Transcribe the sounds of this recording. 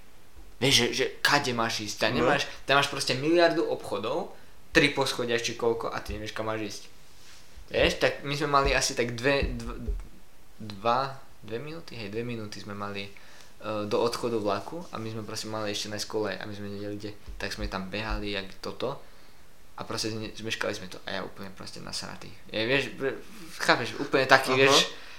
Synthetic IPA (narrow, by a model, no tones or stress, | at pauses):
ʋɪɛʒʒɛʒɛkaɟɛmaːʒiːsct̪aɲɛmaːʃt̪amaːʃpɾɔscɛmilɪaɾd̪uʔɔpxɔd̪ɔʊ | t̪ɾipɔsxɔɟɪaʃt͡ʃikɔlkɔ̰ʔa̰t̪iɲɛʋɪɛʃkamːaːʒiːsc | ʋɛʃt̪akmizmɛmaliasit̪aɡd̪ʋɛd̪ | d̪ʋa | d̪ʋɛminuːt̪iɦɛjd̪ʋɛminuːt̪izmɛmali | d̪ɔɔt̪xɔd̪uʋlakua̰mizmɛpɾɔscɛmaliɛʃcɛnajskɔlɛjʔa̰mizmɛɲɛɟɛliɟɛt̪aɡz̥mɛt̪ambɛɦaliaɡt̪ɔt̪ɔ | ʔapɾɔscɛɛzmɛʃka̰lizmɛt̪ɔʔa̰ja̰ṵːpl̩ɲɛpɾɔ̰scɛna̰sɾa̰t̪ḭ | ɛʋɪɛʃɛ | xaːpɛʃṵːpl̩ɲɛt̪akiːʋɪɛʃ